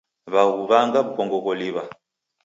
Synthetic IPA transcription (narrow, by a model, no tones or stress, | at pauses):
βaɣuβaŋɡaβukɔŋɡɔkɔliβa